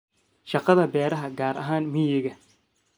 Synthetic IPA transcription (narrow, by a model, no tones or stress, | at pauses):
ʃɑqɑðɐbɛːɾɐɦɐɡaːɾʔɐ̰ɦaːnmɪjɪɣɐ